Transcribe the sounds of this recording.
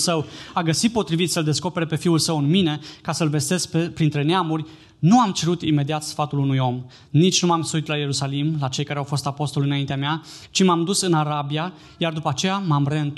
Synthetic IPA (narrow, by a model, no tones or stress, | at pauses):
səwaɡəsit̪̚po̞t̪ɾivit̪səld̪e̞sko̞pe̞ɾepe̞fiulsəwɨnmine̞kasəlve̞st̪e̞skppɾint̪ɾe̞neamurʲ | nuamt͡ʃe̞ɾut̪ime̞d̪iat̪sfat̪ulunujo̞m | nit͡ʃʲnumamsuit̪laje̞ɾusalimlat͡ʃe̞jkaɾeawfo̞st̪apo̞st̪o̞lɨnaint̪eameat͡ʃimamd̪usɨnaɾabija | jard̪upəat͡ʃe̞jamamreɨnt̪